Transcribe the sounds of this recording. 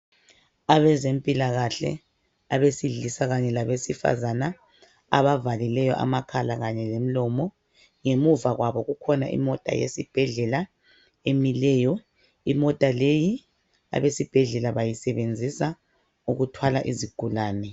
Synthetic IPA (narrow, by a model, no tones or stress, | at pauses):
aβɛzempʼilaɣaɬɛ̰ | aβesiɮisaɣaɲɛlaβesifa̰zana | a̰βavalilɛjɔʔa̰makʰalaɣaɲɛlem̩lɔmɔ | ŋemuvaɣwaβɔɣukʰɔnaʔḭmɔtʼa̰jḛsib̥ʱɛɮɛla | emilɛjɔ | imɔtʼaleji | a̰βesib̥ʱɛɮɛlaβajisɛβend͡zʱisa | uɣutʰwalaʔiziɡ̥ʱulaːnɛ